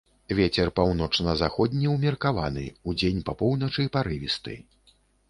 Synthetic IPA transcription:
vʲet͡sʲɛrpawn̪ɔt͡ʂnɐzaxɔd̪ʲnʲiwmʲɛrkava̰nɨ̰ud͡zʲenʲpɐpɔwnɐt͡ʂɨpaɾɨvʲist̪ɨ̰

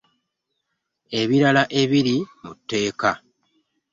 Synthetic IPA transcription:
e̞βiɾalaʔe̞βiɾimutːe̞ːka

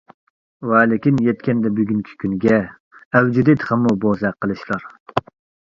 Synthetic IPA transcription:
wɛːlɪkʲinjɛt̪̚kʲʰɛnd̪ɛbyɡʲyŋkʲʰi̥kʲʰynɡʲɛː | wd͡ʒid̪ɪt̪χɛmːubozɛqʰəlˠɨʃlˠɑɾ

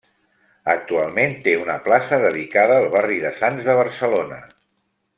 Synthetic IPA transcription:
ək̚t̪ualˠment̪eunəplasəðəðikaðəːlˠβariðəsanzðəβ̞ərsəlonə̰

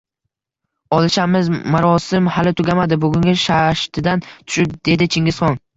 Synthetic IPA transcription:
ɒlˠɪʃamɪzmaɾɒsɪmhalɪt̪ʰʊɡʲamad̪ɪbʊɡʲʊŋɡʲɪʃaʃt̪ʰɪd̪ant̪ʰʊ̥ʃɪp̚d̪̥e̞d̪ɪt͡ʃʰɪŋɪzχɒn

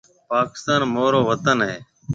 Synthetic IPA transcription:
paːkɪst̪aːnmoːɾoːʋət̪ənɦeː

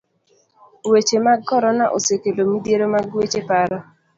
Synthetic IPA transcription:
wet͡ʃemaɡɔɾɔnaʔosekelomidjeɾomaɡwet͡ʃepaɾɔ

